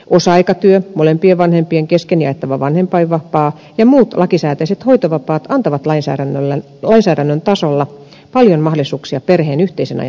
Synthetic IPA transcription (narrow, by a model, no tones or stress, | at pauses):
ʔosɑɑikɑt̪yømolempieʋɑnhempˑieŋkeskenjɑ̰et̪ːɑʋɑʋɑnhempɑiʋʋːɑpɑː | jɑmuːt̪lʔɑkisæːt̪æiset̪hoit̪oʋɑpɑːt̪ɑnt̪ɑʋɑt̪lɑinsæ̰ːɾænːlːæ | lɑinsæːɾænːønt̪ɑsolːɑ | pɑljonmɑholisuːksiɑperheːnyht̪eisenɑ̰j